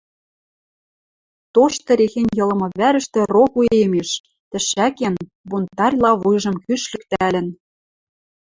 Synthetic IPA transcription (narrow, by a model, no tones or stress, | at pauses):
t̪oʃt̪ɤ̆ɾexenʲjɤ̆lɤ̆mɤ̆βæɾə̆ʃt̪ĕrokuemeʃ | t̪ɘ̆ʃæken | bunt̪ɑrʲlˠɑβujʒɤ̆mkyʃlɘ̆k̚t̪ælɘ̆n